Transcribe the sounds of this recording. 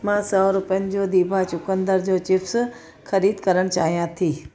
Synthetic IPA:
mãsɔːɾʊpəənɪ̆d͡ʑoːd̪iːbʱat͡ɕʊkə̃nd̪əɾd͡ʑoːt͡ɕɪfs | xɐɾiːd̪kɐɾəɽ̃t͡ɕa̰ːɦijãt̪ʰiː

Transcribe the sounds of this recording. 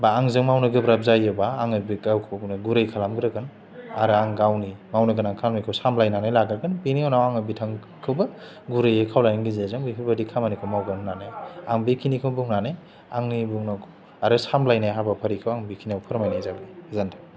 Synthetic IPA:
baːŋzɯŋmawnɯɡɯbɾap̚zajebaːŋɯbikawkʰɯwnaɡuɾajkʰalamɡɯɾɯɡɯn | aɾɯaŋɡawnimawnɐɡɯnaŋkʰalmijkʰɯwsamlajnanajlaɡɾaɡɯnbiniawnawaŋɯbitʰaŋ | kʰɯwbɐ | ɡuɾɯjekʰawlajŋɡizezaŋbipʰibadikʰamanikʰɯwmawɡannanajaŋbikʰinikʰɯwbuŋnanaj | aŋnibuŋnakʰ | aɾɯsamlajnajɦabapʰɐɾikʰɯwaŋbikʰiniawpʰɯɾmajnajzabizantʰa

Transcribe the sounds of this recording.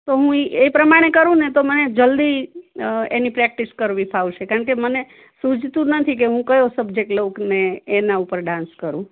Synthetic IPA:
t̪oɦũiepɾəmaɽ̃ekəɾũnet̪oməned͡ʒəld̪i | ḛnipɾɛk̚ʈiskəɾʋipʰaut͡ʃʰekaɾəɳ̃keməne | sũd͡ʒʱt̪ũnət̪ʰik̬eɦũkəjosəbd͡ʒek̚ʈlokneːnaupəɾɖãnskəɾũ

